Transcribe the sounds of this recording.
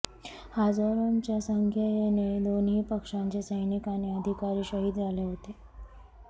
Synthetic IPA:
had͡zaɾunt͡ɕjasəŋkʰjəjened̪onɦiːpəkʂãɲt͡ɕesəjnikaneəd̪ʱikaɾiːɕəɦiːd̪d͡zʱaleɦot̪e

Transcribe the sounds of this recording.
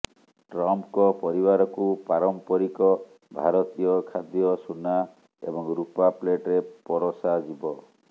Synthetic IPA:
ʈɾɔmpkɔpɔɾibaɾɔkupaɾɔmpɔɾikɔ | bʱaɾɔt̪ijɔkʰad̪jɔsuna | ḛbɔŋɾupapleʈɾepɔɾɔsad͡ʒibɔ

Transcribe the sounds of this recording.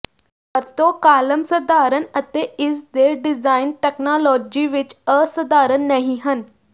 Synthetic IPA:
pəɾt̪õːkaːləmsəd̪aːɾənət̪eːɪsd̪eːɖɪzaːɪnʈɛːknaːlɔːd͡ʒiːʋɪt͡ʃəsəd̪aːɾənːəɦĩːɦən

